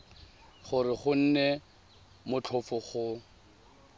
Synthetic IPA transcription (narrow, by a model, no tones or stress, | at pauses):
χʊrɪχʊn̩ne | mʊt͡ɬʰʊfʊχʊ